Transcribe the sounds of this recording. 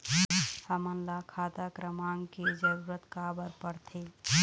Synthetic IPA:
samənlakʰat̪akɾəmaŋked͡ʒəɾuɾət̪kabəɾpəɽt̪ʰe

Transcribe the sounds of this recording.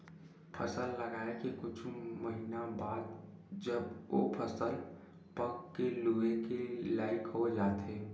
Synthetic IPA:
pʰə̰səlːəɡaːekikʊt͡ʃʰməɦinabaːd̪̚d͡ʒəbo̰pʰəsəl | pəkːeluekelaːɪkɦod͡ʒaːt̪ʰeː

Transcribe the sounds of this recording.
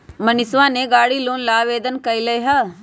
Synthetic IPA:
mɐnɪsʋãneɡaːɽiloːnlaːʋeːd̪ənkɐileɦɐ

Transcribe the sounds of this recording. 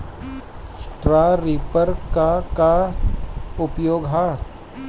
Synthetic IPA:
sʈɾaːɾipəɾkaka | ʊpjoːɡɦa

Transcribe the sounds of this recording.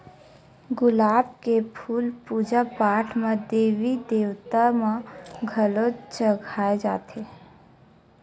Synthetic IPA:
ɡʊlaːbkepʰuːlpuːd͡ʒapaːʈʰmãd̪eːʋid̪eːʋt̪amãɡʱəlot͡ʃəɡʱaːed͡ʒaːt̪ʰe

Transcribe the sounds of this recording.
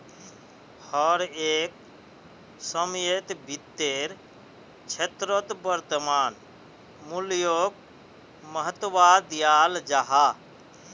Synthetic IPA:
hɔɾeːk̚ | səmjet̪bʱit̪ːeɾ | t͡ʃʰet̪ɾət̪bəɾt̪əmaːn | muljoːk̚ | məɦət̪ʋad̪ijaːld͡ʒaɦa

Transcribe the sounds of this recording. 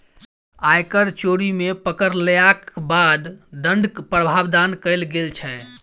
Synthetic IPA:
ajkəɾt͡ʃoɽimepəkəɾlejakbad̪d̪əɳɖkpɾəbʱaʋd̪ankəɪlɡelt͡ʃʰɛ

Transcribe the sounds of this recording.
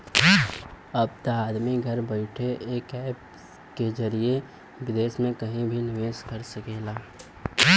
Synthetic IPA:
ɐb̚t̪aaːd̪miɡʱɐɾbəɪʈʰeʔeːkɛːp | kezɐɾie | wɪd̪eːsmẽkɐɦĩbʱinɪʋeːskəɾsəkeːlaː

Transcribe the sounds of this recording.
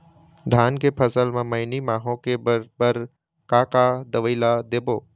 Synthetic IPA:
d̪ʱaːnkepʰəsəlmãməɪnimãːɦõkebəbəɾ | kaːkad̪əʋəːlad̪eːboː

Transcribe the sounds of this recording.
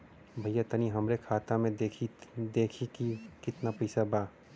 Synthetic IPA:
bʱɐjːat̪əniɦɐmɾekʰaːt̪amẽd̪eːkʰid̪eːkʰikikɪt̪napɐːsabaː

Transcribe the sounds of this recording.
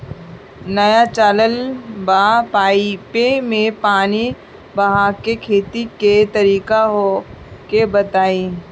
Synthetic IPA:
nɐjat͡ʃaːləlbaːpaːipemẽpaːni | bɐɦãkekʰeːt̪iket̪ɐɾiːkaɦokebət̪aːĩː

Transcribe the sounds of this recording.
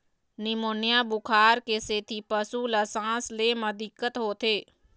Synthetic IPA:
nɪmoːnjabʊkʰaːɾkeseːt̪ʰipəsuləsãːsleːməd̪ɪkːət̪ɦoːt̪ʰeː

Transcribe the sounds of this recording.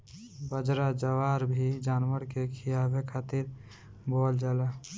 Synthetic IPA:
bəd͡ʒɾad͡ʒəʋaːɾbʱid͡ʒaːnʋəɾkekʰijaːbekʰaːt̪iɾ | bold͡ʒaːla

